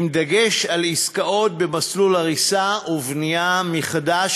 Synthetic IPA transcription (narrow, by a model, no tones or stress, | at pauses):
md̪aɡe̞ʃaliskao̞t̪̚be̞maslulaʁisaʔuvnijameχad̪aʃ